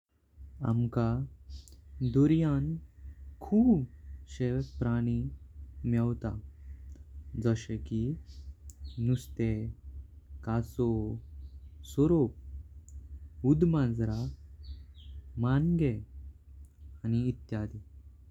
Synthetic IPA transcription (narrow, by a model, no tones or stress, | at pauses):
a̰mka | d̪uɾjankʰuːbɕepɾaɽ̃imɛwt̪a̰ | d͡zəɕeki | nust̪e | kaso | sɔɾop̚ | ud̪mãd͡zɾa | manɡe | aniːt̪jad̪i